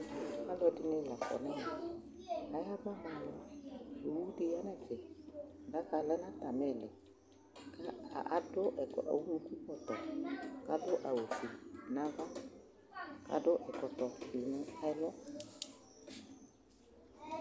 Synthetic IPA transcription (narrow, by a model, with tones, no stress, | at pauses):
a˦lɔ˦di˦nɪ˦˨la˨kɔ̰˨nɛ˦na˨ | a˨ja˦bɔ˦ma˨n˨o˨wu˦di˦ja˦nɛ˦˨t͡ʃɪ˨nda˦ka˨lɛ˦na˦ta˨mɛ˨lɪ˨ | ka˦a̰˨ʔa˦dʊ˦ʔɛ̰˨wu˦u˦ki˦kɔ˨tɔ˨ka˦dʊ˦ʔa˨wo˨ti˨na˦va˦ | ka̰˦dʊ˦ʔɛ˨kɔ˨tɔ˨i˨nʊ˦a˦lɔ˦